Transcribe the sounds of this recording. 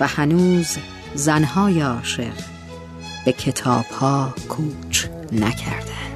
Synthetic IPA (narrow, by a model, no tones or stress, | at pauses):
væhænuːz | zænɦɒːjeɒːʃe̞ʁ | b̥ekʰe̞t̪ʰɒ̰ːb̥hɒːkʰuːt͡ʃʰ | næcʰæ̰ɾd̪̥ænd̪̥